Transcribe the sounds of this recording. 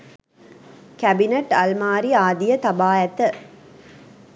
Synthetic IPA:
kæbineʈɐlmaːɾiaːd̪ijət̪ɐbaːæt̪ə

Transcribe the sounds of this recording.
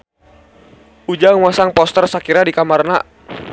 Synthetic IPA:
ʔud͡ʒaŋwasaŋpɔst̪ərsakiɾadikamarna̰

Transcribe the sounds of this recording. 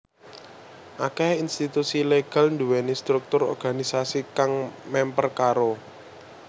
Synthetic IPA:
ʔakehinst̪it̪usileɡ̥a̤lnd̪uwɛnist̪ɾuk̚t̪ʊɾɔ̰rɡ̥a̤nisasikaŋmɛmpərkaɾo

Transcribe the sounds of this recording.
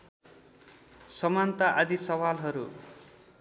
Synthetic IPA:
sʌmant̪aʔad̪isʌwalɦʌɾṵ

